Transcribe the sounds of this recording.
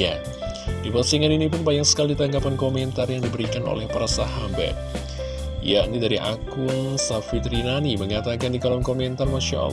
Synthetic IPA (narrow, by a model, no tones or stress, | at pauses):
ja̰ | dipərsiŋaninipʊnbajaŋsə̥kalidit̪aŋɡapankomɛnt̪arjaŋdibəɾikano̰lɛhpaɾasaɦambɛ̰t̚ | ja̰nidaɾiʔa̰kʊnsafit̪ɾinaniməŋat̪akandikalɔŋkomɛnt̪armaʃa̰a̰l